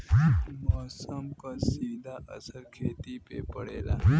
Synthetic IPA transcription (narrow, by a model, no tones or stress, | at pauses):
mɔsəmkasiːd̪ʱaʔə̰səɾkʰeːt̪ipepəɽeːla̰ː